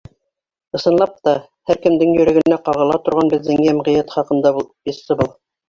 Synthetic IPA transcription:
ɤ̆sɤ̆nlˠɑp̚t̪ɑ | hæɾkɘ̆md̪ɘŋjɵ̆ɾæ̆ɡɘ̆næqɑʁɤ̆lˠɑt̪ŏɾʁɑnbɘt̪zæŋæmʁĭjæt̪χɑqɤ̆nd̪ɑb̪bisɤbɤlˠ

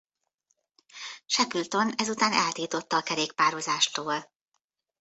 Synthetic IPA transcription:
ʃɛkylt̪o̞nɛzut̪aːnɛlt̪iːt̪o̞t̪ːɒːkɛɾeːk̚paːɾozaːʃt̪oːl

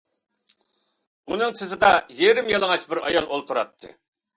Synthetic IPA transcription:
unɨŋsɪzɪd̪ɑjeɾɪmjilˠəŋɑt͡ʃbɪɾɑ̰jɑlˠolˠt̪ʰuɾɑ̰t̪ʰːɨ̰

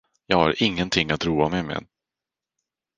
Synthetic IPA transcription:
jɑːɡhaɾʔɪŋːənt̪ʰɪŋːat̪ɾuːamɛmɛ̰

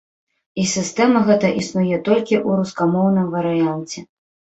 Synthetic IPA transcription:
isʲɨst̪ɛmɐɣɛt̪ɐʔisnujɛt̪ɔlʲkʲiʔuɾuskamɔwn̪ɨmvɐɾɨjant͡sʲɛ

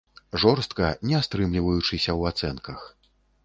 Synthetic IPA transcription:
ʐɔrst̪kɐnʲɛast̪ɾɨmlʲivɐjut͡ʂɨsʲɐwat̪sɛnkɐx

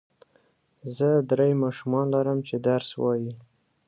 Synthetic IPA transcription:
zəd̪ɾejmɑʃumɑnlaɾəmt͡ʃed̪aɾswɑ̰ji

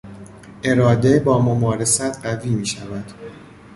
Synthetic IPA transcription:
ʔe̞ɾɒːd̪e̞bɒːmomɒːɾe̞sæt̪ʰɢæviːmiːʃævæd̪̥

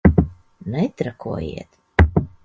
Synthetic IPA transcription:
nɛt̪ɾakʰṵɔjḭɛt̪

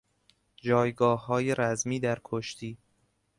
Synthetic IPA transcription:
d͡ʒɒːjɡɒːhːɒːjeɾæzmiːd̪æɾkʰoʃt̪ʰiː

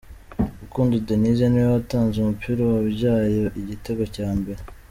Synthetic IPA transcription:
ukuːndudonizaniwawataːnzumupʰiːɾowaβɟaːjoʔiɟiteɡo̞caːmbe̞ɾe

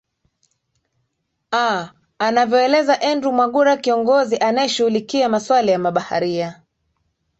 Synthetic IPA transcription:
a | anavjɔɛlɛzaʔɛndɾumwaɠuɾakiɔŋɡɔziʔanajɛʃuhulikiamaswalijamaɓaha̰ɾia

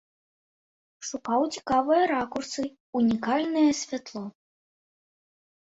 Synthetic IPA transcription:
ʂupawt͡sʲi̥kavɨjɐɾakursɨ | unʲikalʲnɨjɐsʲvʲat̪lˠɔ

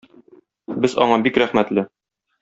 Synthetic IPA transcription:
bɘzɒ̰ɴɑbikɾæχmæt̪lɘ

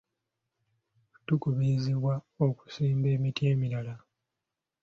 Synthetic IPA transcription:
tukuβiziβwao̞ku̥siːmbe̞ːmitie̞ːmiɾala

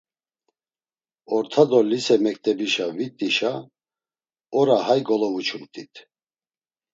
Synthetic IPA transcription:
ɔɾt̪ʰad̪ɔlisɛmɛk̚ʼt̪ʼɛbiʃavit̪ʼiʃa | ɔɾahajɡɔlɔvut͡ʃʰumt̪ʼit̪ʰ

